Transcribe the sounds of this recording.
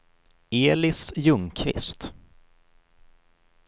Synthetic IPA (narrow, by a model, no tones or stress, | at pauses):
eːlɪsjɵŋkʰvɪ̰st̪